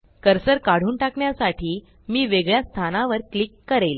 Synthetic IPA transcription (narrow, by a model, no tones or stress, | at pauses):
kəɾsəɾkaɽ̤uːnʈakɳjasaʈʰiː | miːʋeɡɭjast̪ʰanaʋəɾklikːəɾel